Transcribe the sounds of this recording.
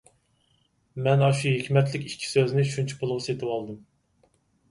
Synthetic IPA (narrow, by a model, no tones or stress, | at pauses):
mɛnɑʃuɦekʲʰmɛt̪lɪkʲikʲʰːi̥søznɪʃunt͡ʃʰi̥pʰolˠʊʁset̪ʰɨwɑlˠd̪ɨm